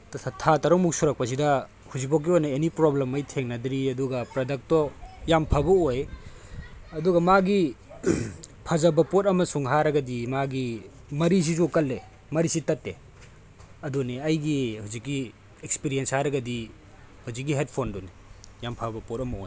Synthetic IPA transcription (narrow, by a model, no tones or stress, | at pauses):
tʰatɐɾɔŋmuk̚suɾɐk̚pɐs̬idɐ | huzik̚pɔk̬ːiojnɐenipɾoblemɐjtʰeŋnɐdɾiɐduɡɐpɾɐdɐk̚tɔjampʰabɐoj | ɐduɡɐmaɡi | pʰɐzɐbɐpot̚ɐmɐsuŋɦaɾɐɡɐdimaɡi | mɐɾis̬izukɐlːe | mɐɾisitɐtːe | ɐduneɐjɡihuzikːi | ek̚spiɾijenshaɾɐɡɐdi | huzik̬̚ːiɦed̚pʰondɔni | jampʰabɐpot̚ɐmɐo̰jn